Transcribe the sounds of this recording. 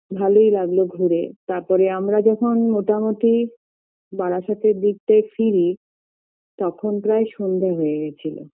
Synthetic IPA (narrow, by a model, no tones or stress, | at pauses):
bʱalojlaɡloɡʱuɾet̪aɾpɔɾeamɾad͡ʑɔkʰonmoʈamot̪i | baɾaʃat̪ʰed̪ik̚t̪efiɾi | t̪ɔkʰonpɾaeʃond̪ʱeɦoeɡɛt͡ɕʰilo̰